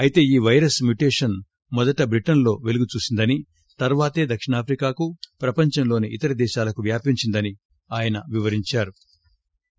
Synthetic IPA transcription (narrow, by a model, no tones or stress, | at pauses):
ɐjit̪e̞ːiːʋɐjɾɐsmjuʈeːʂɐn | mɔd̪ɐʈɐbɾiʈɐnlo̞ːʋe̞luɡut͡ʃuːsind̪ɐni | t̪ɐɾʋaːt̪e̞ːd̪ɐkʂiɳaːpʰɾikaːkupɾɐpɐɲt͡ʃɐmlo̞ːniʔit̪ɐɾɐd̪ɛːʃaːlɐkuʋjaːpiɲt͡ʃind̪ɐni | aːjɐnɐʋiʋɐɾiɲt͡ʃaːɾu